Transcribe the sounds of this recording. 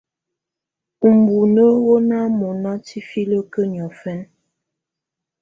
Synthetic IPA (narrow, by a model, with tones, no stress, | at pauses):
m˨bu˨nə˦wo˦na˦mɔ˨na˦ti˦fi˦lə˦kə˦ɲ˨ɔ˨fɛ˦n